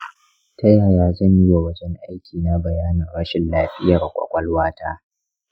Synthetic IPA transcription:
tɐ˦jaː˨jaː˦zɐ˦˨ɲji˦wa˨wɐ˦d͡ʒɛ˦ŋʔa˦jkʲʰiː˨na˦bɐ˨jaː˦nɐ˨rɽɐ˦ʃɪ˨nlaː˨ɸɪ˦jɐ˨rkʷʼɐ̰˨kʷʼɐ˦lwaː˦tʰa̰ː˦

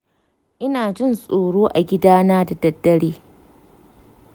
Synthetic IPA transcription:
ʔɪ˦naː˨d͡ʒɪ˦˨nsʼoː˨ɽoː˦ʔa˨ɡʲɪ˦daː˦naː˦da˨dɐ˦dːɐ˦ɽeː˦

